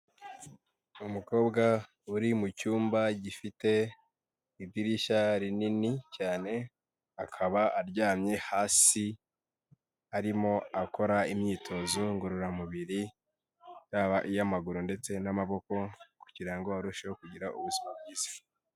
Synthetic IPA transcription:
umuko̞ːbɡa | uɾimucuːmbaɟifite̞ | ibjiɾiʃaɾininicaːne̞ | akʰaβaːɾɟaːmɲe̞haːsi | aɾimo̞ako̞ɾaimɲiːtʰo̞zoŋɡuɾuɾamuβiɾi | jaβaʔijamaɡuɾunde̞t͡se̞namaβo̞ko̞ku̥ɟiɾaŋɡo̞aɾuʃewokuɟiɾaʔṵβuzimab̚ɡiːzḁ

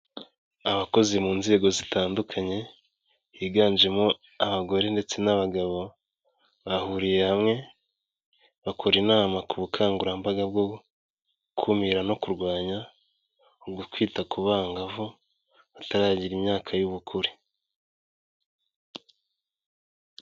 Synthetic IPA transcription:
aβako̞zimuːnze̞ːɡo̞zitaːndukʰaɲe̞ | jiːɡaːnd͡ʒe̞mo | aβaɡo̞ɾe̞nde̞t͡se̞naβaɡaβo̞ | βahuɾije̞hamŋe̞ | βakʰoɾinaːmakuβukʰaːŋɡuɾambaɡab̚ɡo | kʰumiɾano̞kuɾɡwaːɲa | oɡukwiːtakuβaːŋɡavo | βataɾaːɟiɾimɲaːkʰajuβukʰuɾi

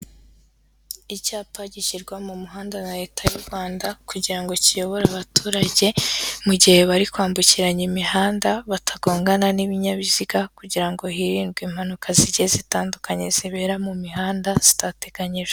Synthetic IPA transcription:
icaːpaɟiʃiɾɡwamumuɦaːndanaɾe̞ːtʰajuɾɡwaːndakuɟiɾaŋɡo̞cijo̞βo̞ɾaβatʰuːɾaɟe̞muɟihe̞βaɾikwaːmbuciɾaɲimihaːndaβatʰaɡo̞ːŋɡananiβiɲaβiziɡakuɟiɾaŋɡo̞ɦiɾiːnɡwiːm̥hanukʰaziɾɟezitaːndukaɲe̞z̥iβe̞ːɾamumiɦaːndaz̥i̥tate̞ɡaɲiʒ̥e

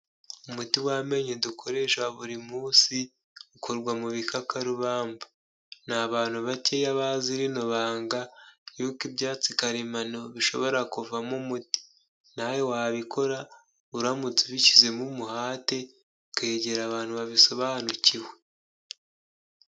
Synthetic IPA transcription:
umutiwame̞ɲedukʰo̞ɾe̞ʃwaβuɾimuːsi | ukoɾɡwamuβikʰakaɾuβaːmba | naβaːn̥huβace̞jaβaziɾinoβaːŋɡajuːkibjaːt͡sikaɾimanoβiʃo̞̰βo̞ɾakuvamumuti̥ | najowaβikʰo̞ɾa | βuɾamut͡siβicize̞mumuhaːte̞ | ke̞ɟe̞ɾaβaːnhuβaβiso̞βaːnuciwe̞

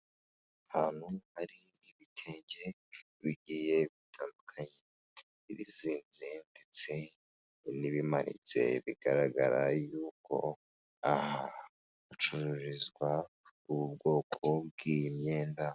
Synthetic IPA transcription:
ahaːn̥huhaɾiːβitʰeːɲɟe̞ | βiɡiːje̞βitʰaːndukʰaɲe | βiɾḭziːnzende̞t͡se̞ | niβimaɾḭt͡se̞̰βiɡ̥aɾaɡaɾajuːko̞̰ | ahaː | t͡ʃuɾuɾizɡwa | uβubɡo̞ːkʰo̞b̚ɡimɲeːnda

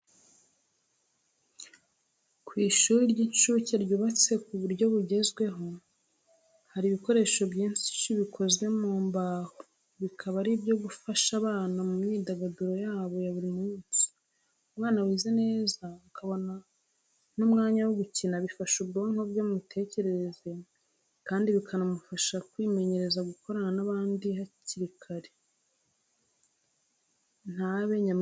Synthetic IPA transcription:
kwiːʃuːɾiɾɟiɲʃuceɾɟuːβat͡se̞kuβuɾɟo̞βuɟe̞zɡwe̞ɦo̞ | haɾiβiko̞ɾe̞ːʃo̞bɟiːnsi̥ʃiβikʰo̞zwe̞muːmbaːho | βikʰaβaɾibɟo̞ɡufaʃaβaːnamumɲiːdaɡaduɾo̞jaːβo̞jaβuɾimuːnsi̥ | umŋaːnawiːze̞ne̞ːzakʰaβo̞na | numŋaːɲawoɡucinaβifaʃubɡoːŋhobjomutʰe̞ːce̞ɾe̞eze̞ | kaːndiβikʰanamufaʃakwiːme̞ɲe̞ɾe̞zaɡuko̞ɾananaβaːndihaciɾikʰaɾe | n̥aβe̞ɲam

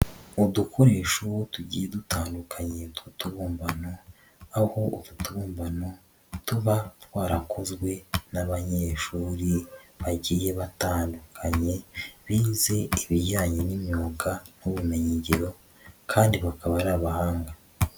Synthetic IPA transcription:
udukʰo̞ɾe̞ːʃotuɟiːjedutaːndukʰaɲe̞dutuβuːmbano̞ | aho̞ʔoβutuβuːmbano̞ | tuβatwaːɾakʰozɡwe̞naβaɲe̞ːʃuːɾiβaɟiːje̞βataːndukʰaɲe̞βiːze̞iβiɟaːɲenimjoːɡanuβume̞ɲeɟeɾo̞ | kʰaːndiβakʰaβaɾaːβahaːŋɡa

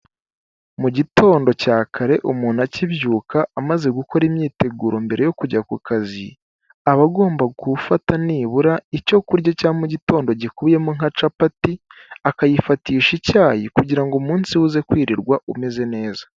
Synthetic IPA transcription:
muɟito̞ːndo̞caːkʰaɾe̞ʔumuːnhaciβjuːkʰaːmaze̞ɡuko̞ɾimɲiːte̞ɡuːɾo̞mbe̞ɾʔe̞jo̞kuɾɟakukʰazi | aβaɡo̞ːmbaɡufataniːβuɾaico̞kuɾɟacaːmuɟito̞ːndo̞ɟikuβje̞muŋat͡ʃapatiakajifatiːʃicaːjikuɟiɾaŋɡomuːnsiwuze̞kwiːɾiɾɡwaʔume̞ze̞ne̞ːzḁ

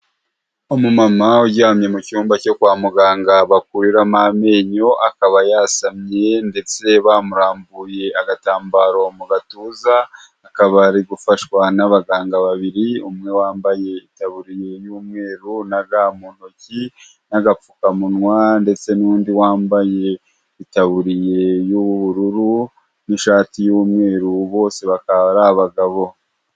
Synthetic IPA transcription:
omumamauɟaːmɲe̞mucuːmbaco̞kwaːmuɡaːŋɡaβak̚uɾiɾamame̞ːɲo̞ʔakaβajasamɲe̞nde̞t͡se̞βamuɾaːmbuje̞aɡataːmbaːɾo̞muɡatuːzaː | kaβaɾiɡufaʃwanaβaɡaːŋɡaβaβiɾiumŋe̞waːmbaje̞itaβuɾije̞juːmŋe̞ːɾunaɡamuːn̥oci | naɡafukamunwande̞t͡se̞nuːndiwaːmbaje̞ | itaβuɾije̞juβuβuɾuɾu | niʃaːtijuːmŋe̞ːɾuβo̞ːse̞βakaɾahaβaɡaβo̞

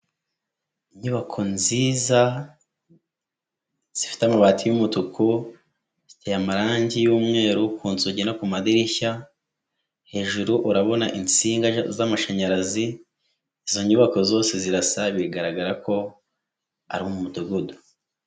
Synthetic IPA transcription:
iɲuβakʰo̞nziːza | z̥ifi̥tamaβaːtijumutukʰu | zi̥tʰejamaɾaːɲɟijuːmŋe̞ːɾukuːnzuɟenakumadiɾiça | he̞ːʒuɾuʔuɾaβo̞na̰ʔint͡siːŋɡazamaʃaɲaɾazi | izo̞ɲuβakozo̞ːse̞ziɾasaβieɡaɾaɡaɾako̞ | a̰ɾimomumutuɡudu

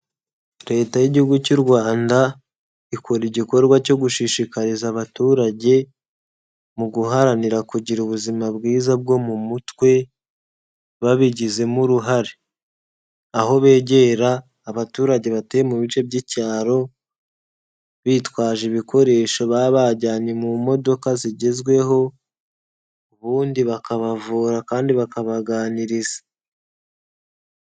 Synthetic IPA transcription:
ɾe̞ːtajiɟihuɡucuɾɡwaːnda | ikʰoɾiɟiko̞ɾɡwaco̞ɡuʃiʃikaɾizaβatuːɾaɟe̞ | muɡuɦaɾaniɾakuɟiɾuβuzimabɡiːzab̚ɡo̞mumutwe̞ | βaβiɟize̞muɾuɦaɾe | aho̞βe̞ːɟe̞ːɾaː | βatuːɾaɟe̞βateːjemuβit͡ʃe̞bɟicaːɾo̞ | βiːtwaːʒiβiko̞ɾe̞ːʃoβaːβaɟaːɲemumo̞do̞kaziɟe̞zɡwe̞ɦo̞ | uβuːndiβakaβavuːɾakaːndiβakaβaɡaːniɾizḁ

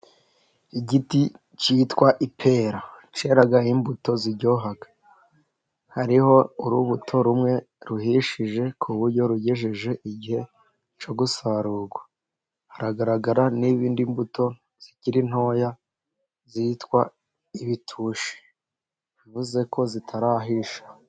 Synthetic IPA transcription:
iɟiti | citwaʔipʰe̞ːɾa | t͡ʃe̞ɾaɡaimbuto̞ziɾɟo̞ɦaɡḁ | haɾiho̞uɾuβutʰo̞ɾumŋe̞ | ɾuhiʃiʒe̞kʰuβuɾɟo̞ɾuɟeʒiʒe̞ʔiɟihe̞ | t͡ʃo̞ɡusaɾuːɡwa | haɾaɡaɾaɡaɾaniβiːndimbuto̞ | z̥iciɾin̥ho̞ːja | zitkwa | iβitʰuːʃi̥ | ivuze̞ko̞zitʰaɾaɦiʃḁ

